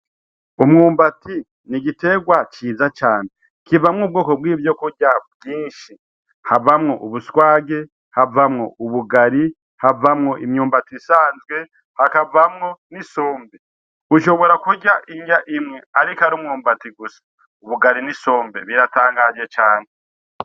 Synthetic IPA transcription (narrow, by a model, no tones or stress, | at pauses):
umŋuːmbati | niɡite̞ɡwat͡ʃiːzat͡ʃaːne | kivamŋuːb̚ɡoːko̞bwiːvjo̞kuɟabɡiːnʃi | havamŋo̞ʔuβuswaːɡe̞ | havamŋo̞uβuɡaɾi | havamŋo̞ʔimɲuːmbatisaːnzɡwe̞ | hakavamŋo̞niso̞ːmbe | uʃo̞βo̞ɾakuɟaʔiɲɟaʔimŋe̞aɾikaɾumŋuːmbatiɡusḁ | uβuɡaɾiniso̞ːmbḛβiɾataːŋɡad͡ʒe̞t͡ʃaːne